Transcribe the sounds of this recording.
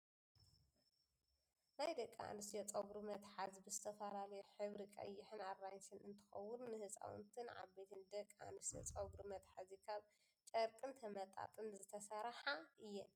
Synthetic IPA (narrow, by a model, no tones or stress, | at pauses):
najd̪ɐkʼːa̰nɨsjɐt͡sʼɐɡɾɨmɐt̪ħazbɨzɨt̪ʰɐfɐlalɐjuħɨβɾikʼɐ̰jːɪħɨnarːajsɨnɨnt̪ʰɨ̥xɐ̰wːʊnːɨhɨsʼa̰wṵnt̪ʰɨnʕa̰βbet̪ʰɨnd̪ɐkʼːa̰nɨsjɐ̰t͡sʼɐɡɾɨmɐt̪ħazikʰaβ | t͡ʃʼɐɾkʼɨnt̪ʰɐmɐt̪ʼa̰t̪ʼɨnzɨt̪ʰɐsaɾħaɨjːɛn